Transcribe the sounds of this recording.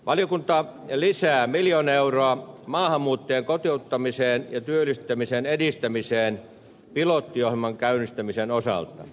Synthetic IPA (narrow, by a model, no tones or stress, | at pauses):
ʋʔɑlijokunt̪ɑlisæːmiljoneuroɑmɑːhɑmːuːt̪ːeːŋkot̪iut̪ːɑmiseːnjɑt̪yøylist̪ːˑæmisenedist̪æmiseːn | pilot̪ːiohimɑŋkæynist̪æmisenosɑ̰lt̪ɑ̰